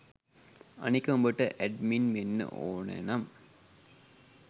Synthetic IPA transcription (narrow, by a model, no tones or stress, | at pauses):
ɐ̰nikːɐumbəʈːəʔæɖminʋenːə̰ʔo̰ːnḛnam